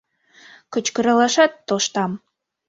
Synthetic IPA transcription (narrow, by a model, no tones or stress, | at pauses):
kə̆t͡ɕkə̆ɾɑlɑʃɑt̪ːoʃt̪ɑm